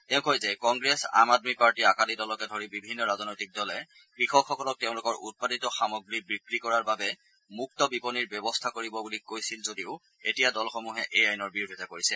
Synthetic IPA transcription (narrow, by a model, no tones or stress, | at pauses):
tɛʊ̃kojzɛkɔŋɡɹesa̰madmipaɹtiakalidɔlɔkɛdʱoɹibibʱinːɔɹaznojtik̚dɔlɛ | kɹixɔkxɔkɔlɔk̚tɛʊ̃lʊkɔɹʔṵt̚paditɔxamoɡɹibɹikɹikɔɹaɹbabɛ | muk̚tɔbipɔniɹbɛbɔstʰakoɹibɔbulikojsilzodiʊ | etijadɔlxomuɦɛʔejajnɔɹbiɹudʱɛzakoɹisɛ